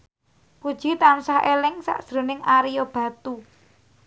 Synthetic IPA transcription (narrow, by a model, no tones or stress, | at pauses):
pud̥ʒ̥i̤t̪ansahelɪŋsa̰ʔd̥ʒ̥ɾo̤nɪŋaɾijɔb̥ä̤t̪u